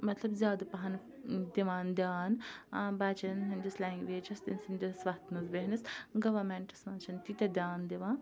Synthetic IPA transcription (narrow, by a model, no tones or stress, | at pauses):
mɐt̪lɐbzʲjaːd̪ɐpɐɦɐn | d̪iʋaːnd̪ʲjaːnbaːt͡ʃɐnɦɐnd̪ɐslaːŋɡʋeːd͡ʒɐst̪insɐnd̪isʋaːt̪nɐzbeɦnɐsɡɐʋɐɾmeɳʈɐ̥smɐnt͡ʃʰɐnt̪it̪ʲɐd̪ʲjaːnd̪iʋãːn